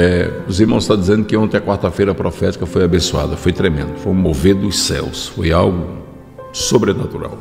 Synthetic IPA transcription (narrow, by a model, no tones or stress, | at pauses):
ɛʊziɾmɐ̃w̃st̪ad͡ʒizẽnd̪ʊkɪõnt̪ẽɐkwaɾt̪ɐfejɾɐpɾɔfɛt͡ʃ̪i̥kɐfojabẽsua̰d̪ɐfojt̪ɾemḛ̃nd̪ʊfojũmoved̪ʊsɛ̰wsfojawɡʊ | sobɾenat̪uɾa̰w